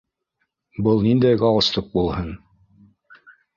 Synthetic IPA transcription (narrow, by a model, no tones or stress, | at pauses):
bɤlˠnind̪æjɡɑwɤ̆st̪ˠɤq̚bulˠhɤn